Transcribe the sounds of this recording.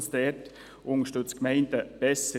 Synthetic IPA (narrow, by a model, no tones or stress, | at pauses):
sd̪ɛt | ʔʊŋəʃtɵt͡skmɛɪndəb̥ɛsə